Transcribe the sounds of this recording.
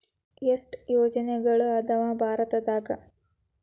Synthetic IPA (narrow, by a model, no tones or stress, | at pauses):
esʈjoːd͡ʒɐneɡɐɭuɐt̪ʰɐʋaːbʱaːɾɐt̪ɐd̪aːɡɐ